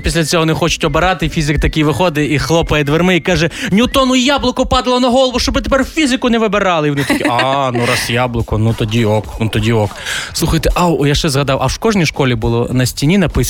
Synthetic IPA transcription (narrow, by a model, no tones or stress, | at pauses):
pʲisʲlʲɐt͡sʲɔɦɔnɪxɔt͡ʃʊ̥tʲɔbeɾɑt̪ɪfʲizɪkt̪ɐkʲijʋɪxɔd̪ɪixlˠɔpɐjɛd̪ʋermɪikɑʒɛnʲut̪ɔnʊjɑblˠʊkʊpɑd̪ɐlˠɔnɐɦɔlˠɔʋʊʃt͡ʃɔbɪt̪epɛrfʲizɪkʊnɛʋɪbeɾɑlˠɪiʋɔnɪt̪ɐkʲiɑnuɾɑsjɑblˠʊkʊnut̪ɔdʲiɔknut̪ɔdʲiɔkslˠuxɐjt̪ɛʔawɔjaʃt͡ʃɛzɦɐd̪ɑwʔɐwʃkɔʒnʲijʃkɔlʲibʊlˠɔnɐsʲtʲinʲinɐpɪs